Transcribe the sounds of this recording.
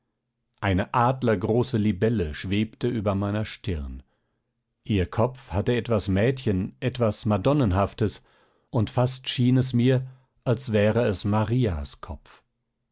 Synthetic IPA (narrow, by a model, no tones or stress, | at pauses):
ʔaɪnəʔaːdlɐɡʁoːsəlibɛləʃv̥eːptəʔyːbɐmaɪnɐʃtɪʁn | ʔiːɐkʰɔp͡fhatəɛtv̥asmɛːtçənʔɛtv̥asmadɔnənɦaftəs | ʔʊntfastʃiːnɛsmiːɐ | ʔalsv̥ɛːʁəɛsmaʁiːa̰skʰɔpp͡f